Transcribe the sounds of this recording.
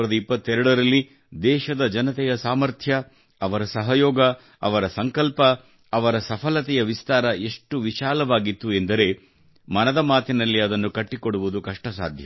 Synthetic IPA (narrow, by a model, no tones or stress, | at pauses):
ɾɐd̪ɐipːɐt̪ːɛɾɐɽɐɾɐlːi | d̪ɛːʃɐd̪ɐd͡ʒɐnɐt̪ɛjɐsaːmɐɾt̪ʰjɐ | ɐʋɐɾɐsɐɦɐjɔːɡɐ | ɐʋɐɾɐsɐŋkɐlpɐː | ʋɐɾɐsɐpʰɐlɐt̪ɛjɐʋist̪aːɾɐʔe̞ʂʈuʋiʃaːlɐʋaːɡit̪ːuend̪ɐɾe̞ | mɐnɐd̪ɐmaːt̪inɐlːiɐd̪ɐnːukɐʈːikoɽuʋud̪ukɐʂʈɐsa̰ːd̪ʱjɐ